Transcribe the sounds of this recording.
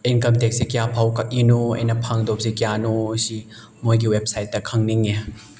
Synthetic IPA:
eŋkɐmteksikjapʰawkɐk̚inuɐ̰jnɐpʰaŋdop̚sikijanusi | mojɡiwep̚sajt̚ːɐkʰɐŋniŋe

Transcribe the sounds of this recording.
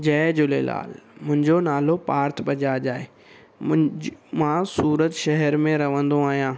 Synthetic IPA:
d͡ʑɛːd͡ʑʊlela̰ːlmʊ̃ɦɪ̃ɲd͡ʑonaːlopaːɾt̪ʰbɐd͡ʑad͡ʑaːe | mãsuːɾət̪ʃɐɦɛɾmẽɾɐʋə̃nd̪oaːɦijãː

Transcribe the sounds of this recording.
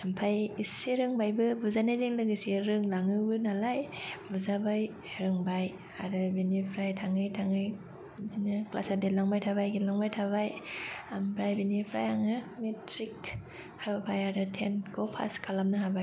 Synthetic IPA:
ampʰajiseɾɯŋbajbɯbuzanaziŋlɯɡɯsiɾɯŋlaŋɯbɯnalajbuzabaj | ɾɯŋbaj | aɾɯbinipʰɾajtʰaŋɯjtʰaŋɯj | zinɯkla̰sadelaŋbajtʰabajɡilaŋbajtʰaβajambɾajbinipʰɾa̰jaŋɯmetɾik | habpʰajaɾɯtʰenkʰopʰa̰skʰalamnɯɦabaj

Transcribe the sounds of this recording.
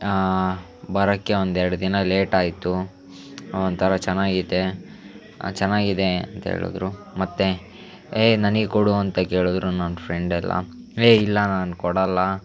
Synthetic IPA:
bɐɾɐkːe̞ond̪ɛɾɐɽɐd̪inɐle̞ːʈaːjt̪u | ɐont̪ʰɐɾɐt͡ʃɛnːaːɡid̪e̞̰ | t͡ʃɛnːaːɡid̪eɐnt̪ɐɦḛːɭṵd̪ɾu | mɐt̪ːe | eːnɐnɐɡekoɽuɐnt̪ɐke̞ːɭud̪ɾunɐnpʰɾeɳɖɛlːɐ̰ | eːilːɐnaːnukɔɽɐlːɐ

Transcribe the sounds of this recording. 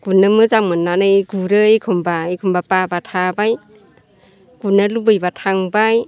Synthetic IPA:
ɡ̥unɯmɯzaŋɯnːanɯɡuɾɯekʰɔmbaekʰɔmbapabatʰabaj | ɡ̥unalubɯjbatʰaŋbaj

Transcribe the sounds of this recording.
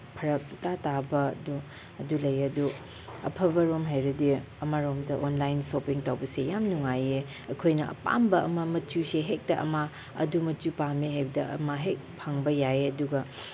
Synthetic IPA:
pʰɐɾɐk̚tatabɐɐdu | ɐdulɐjɐdu | ɐ̰pʰɐbɐɾomɦajɾɐdi | ɐmaɾomdɐʔonlajnsopiŋtawbɐsejamnuŋaje | ɐkʰojnɐɐ̰pa̰mbɐɐ̰mɐmɐt͡ʃuseɦek̚tɐʔɐ̰ma | ɐ̰dumɐt͡ʃupameɦajbɐdɐɐ̰maɦek̚pʰaŋbɐjaeɐduɡɐ

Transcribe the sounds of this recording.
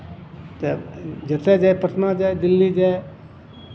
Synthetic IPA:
t̪ed͡ʒet̪ʰed͡ʒaepət̪ʰnãd͡ʒaːed̪ɪlːid͡ʒae

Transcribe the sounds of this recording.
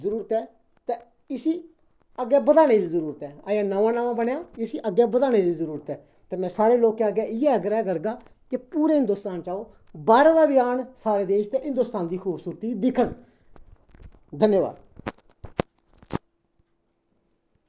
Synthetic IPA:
əɾuːɾət̪ɛː | t̪eː | ɪsiː | əɡːɛːbəd̪aːɽ̃eːd̪iːzəɾuːɾət̪ɛːəjãːnəʋãːnaʋãːbəɳjaːɪsiːʔəɡːɛːbəd̪aːɽ̃eːd̪iːzəɾuːɾət̪ɛː | t̪eːmɛ̃ːsaːɾeːloːkẽəɡɛːʔɪːɛːəɡəɾɛːkəɾɡaː | kɪpuːɾeːɦɪ̃nd̪ʊːst̪aːnt͡ʃaːoː | baːɾãːd̪aːbɪjaːnsaːɾeːd̪eːʃt̪ẽɦɪ̃nd̪ʊst̪aːnd̪iːkʰuːbsuːɾt̪iːd̪ɪkʰəɳ | d̪ʱənjəʋa̰ːd̪

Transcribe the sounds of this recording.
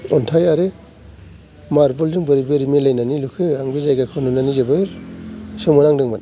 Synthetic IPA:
ɔntʰajaɾe | maɾbɔldɯŋbɯɾibeɾimelajnanilukʰɯaŋbezajɡakʰɯnunanizebɯ | sɯmɯnaŋdɯŋman

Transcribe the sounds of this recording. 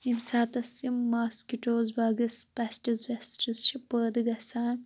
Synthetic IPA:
imsaːt̪ɐsːimːaːskiʈoːzbaːɡɐspɐsʈɐzʋesʈɐst͡ʃʰipəːd̪ɨɡɐsaːn

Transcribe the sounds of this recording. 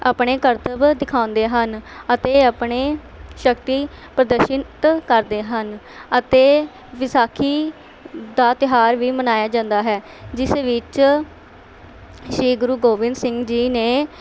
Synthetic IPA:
a̰ːpɳeːkəɾt̪əbd̪ɪkʰãːʊ̃nd̪eːɦənət̪eːaːpɳeː | ʃəkt̪iː | pɾəd̪əɾʃət̪kəɾd̪eːɦən | ət̪eː | ʋɪsaːkʰiː | d̪aːt̪ɪɦaːɾʋiːmənaːjaːd͡ʒãːnd̪aːɦɛː | d͡ʒɪseːʋɪt͡ʃ | ʃɾiːɡʊɾuːɡoːʋɪnd̪sɪŋɡd͡ʒiːneː

